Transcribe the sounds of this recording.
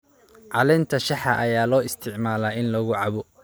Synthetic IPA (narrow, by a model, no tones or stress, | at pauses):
ʕɑlɛnt̪ʰɐʃɑħɐʔɐjaːlɔːɪst̪ʰɪʕmaːlaːɪnlɐɣʊʕɑβɔ